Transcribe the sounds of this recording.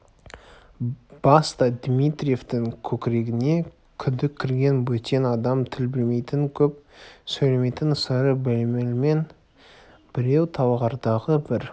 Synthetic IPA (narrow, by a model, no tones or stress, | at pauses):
b̥ɑst̪ɑd̪mijt̪ɾʲije̞ft̪ɪŋkʲʰɵkʲɪɾe̞ɡʲɪne̞ | kʲʰʏnd̪ɪkʲʰːɪɾɡʲe̞nwɵt̪e̞nɑd̪ɑmt̪ʰɪlbɪlme̞jt̪ɪŋkʲʰɵp̚sɵjleme̞jt̪ɪnsəɾəbɪlmelme̞n | b̥ɪɾe̞wt̪ʰɑwʁɑɾd̪ɑʁəbɪɾ